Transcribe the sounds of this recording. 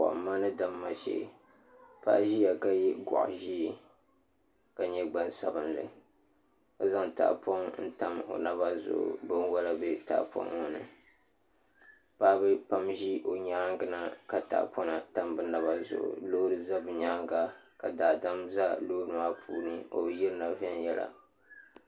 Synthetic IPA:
a̰˨ʔmːa˦nɨ˦da˦mːa˦ʃɛ̰˨ | pa̰˦ʔʒi˦ja˨ka˦ji˦ɡɔ̰˨ʔʒiː˦˨ | ka˨ɲɛ˦ɡ͡ba˦nsa˨bɨ˦ndɨ̰˨ | a˦za˦ŋta̰˨ʔpʰɔ˦ŋn̩˦ta˦mo̰˨na˦ba˦zʊ̰˨ʔʊ̰˨bɨ˦n˦wa˦la˦bɛ˦ta̰˨ʔpʰɔ̰˦ŋo˨nɨ̰˨ | paː˦bɨ˦pa˦mʒi˦ʔo˨ɲaː˦ŋɡɨ˦na˦ka˨ta̰˨ʔpʰɔ˦na˨ta˦mbɨ˦na˨βa˦zʊ̰˨ʔʊ̰˨lo˦ɾɨ˦za˦bɨ˨ɲaː˦ŋɡa˦ka˨daː˨da˦mza˦lo˦ɨ˨ma˦pʰṵː˦nɨ˦o̰˨˦ji˦ɾɨ˦na˨vɛ˦njɛ˦la̰˨

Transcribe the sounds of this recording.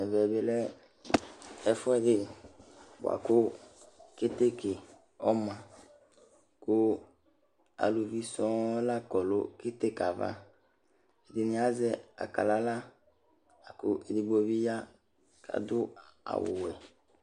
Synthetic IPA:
ɛ˨vɛ˨be˨lɛ˦ | ɛ˦fɔ˦ɛ˨dɪ˦ | b̰a̰˨ko˦ke˦t̪e˦ke˨ | ɔ˦mã˨ | ko˦ | a̰˨lu˨vi˦sɔ̃˦la˦kɔ˨lo˦ke˦t̪e˦ka˨va̰˦ | e˨dɪ˨nĩ˦a˦zɛ˦a̰˨ka̰˨la˦la˦ | a˨kʊ˦ʔe˨di˨ɡ͡bo˦vi˦ja˦ | kʰa̰˨d̪ʊ˦a̰˨wʊ̰˨wɛ˨

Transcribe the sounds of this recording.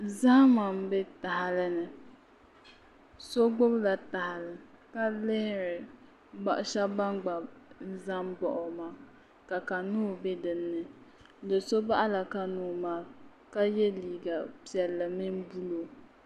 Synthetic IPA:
za˦hma˨m˦be˦ta˨hɪ˨lɨ˦nɨ˨ | so˦ɡ͡bo˦bla˨ta˨hɪ˨lɨ˨ka˦lɪ˦hɪ˦ɾɪ˨ | ba˨ʔʊ˦ʃa˦ba˦ŋɡ͡ba˨n̩˦za˦mbɔ˨ʔʊ˨maː˨˦ | ka˨ka˨nuː˦˨be˦dɨ˨nːɨ˨ | lɨ˨so˦ba˦ʔa˦la˨ka˨nuː˨˦maː˦ka˦jɛ˦liː˨ɡa˨pi˨ɛ˨lːɨ˨mi˦nbu˦lo˨

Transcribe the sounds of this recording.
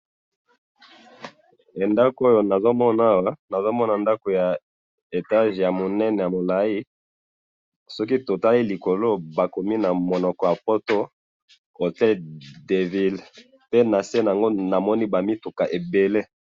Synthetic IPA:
e˨nda˦ko˦jo˨na˨zo˦mɔ˦na˦wa˦na˨zo˦mɔ˦na˨nda˦ko˨ja˨ | e˨ta˦ʒja˨mo˨nɛ˦nɛ˨ja˨mo˨la˨i˦ | sɔ˦k̬i˦to˨ta˦li˦li˨ko˨lo˦ba˨ko˨mi˦na˨mo˨nɔ˨kɔ˨ja˨po˦to˦ | o˨tɛ˦lde˨vi˦l | pe˦na˨se˦na˨a˨ŋɡo˦na˨mɔ˦ni˦ba˨mi˦tu˨ka˨ʔe˨be˨le˦

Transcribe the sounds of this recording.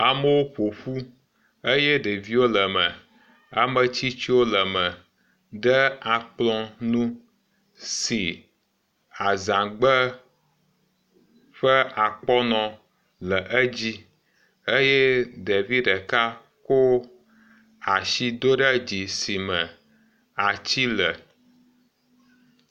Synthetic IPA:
a˨mə˦wo˦ɸo˨ɸu˦ | ə˦jɛ˦ɖe˨vi˦wo˦lə˨mə̃˨ | a˨mə˨t͡ɕi˦t͡ɕi˦wo˦lə˨mə̃˨ | ɖə˦a˨k͡plɔ̃˦nũ˦ | si˨ | a˨zã˨ɡ͡bə˦ | ɸə˦a˨k͡pɔ˦nɔ̃˨ | lə˨ʔə˦d͡ʑi˦ | e˦jɛ˦ɖe˨vi˦ɖə˨ka˦ | ko˦ | a˨ʃi˨d̪o˦ɖə˦d͡ʑi˨si˨mə̃˨ | a˨t͡ɕi˦lə˨

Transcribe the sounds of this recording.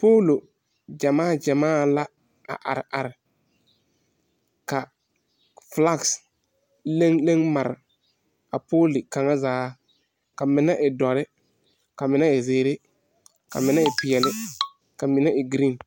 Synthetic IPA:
poː˦lo˨ | d͡ʒa˨maː˦˨d͡ʒa˨maː˦la˦ | a̰˨ʔa̰˨ɾɪ˨a˨ɾɪ˨ | ka˨ | fla˦˨ks | le˦ŋle˦ŋma˨ɾɪ̰˨ | a˨poː˦lɪ˨ka˨ŋa˦zaː˨˦ | ka˨mɪ˨na˦ʔɪ˨dɔ˨ɾɪ˦ | ka˨mɪ˨na˦ɪ˨zeː˨ɾe˦ | ka̰˨mɪ˨˦na˦ɪ˨pɪ˨ɛ˨lɪ˦ | ka˨mɪ˨na˦ɪ˨ɡɾi˦˨

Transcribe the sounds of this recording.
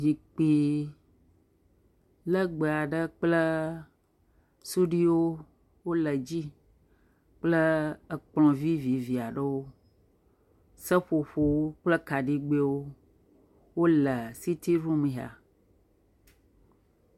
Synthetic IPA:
d͡ʑi˨k͡pi˨ | lə˦ɡ͡bə˨a˨ɖə˦k͡plə˦ | su˦ɖi˦wo˦ | wo˦lə˨d͡ʑi˦ | k͡plə˦ə˨k͡plɔ̃˨vi˦vi˨vi˨a˨ɖə˦wo˦ | sə˦ɸo˨ɸo˨wo˦k͡plə˦ka˨ɖi˦ɡ͡be˦wo˦ | wo˦lə˨si˦t̪i˦ɾũ˦mĩ˨ɦa̰˨

